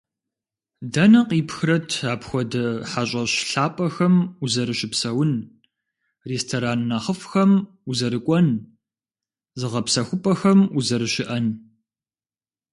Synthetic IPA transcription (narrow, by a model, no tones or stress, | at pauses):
dɐnɐqiːpxɨɾɐtʰaːpxʷɔdɐħaɕʼɐɕɬaːpʼɐxɐmuzɐɾɨɕɪpsɐwʊn | reːstʰoɾaːnːaχəfxɐm | uzɐɾɨkʷʼɔn | zɨʁɐpsɐxʷʊpʼɐxɐmuzɐɾɨɕɪʔɐn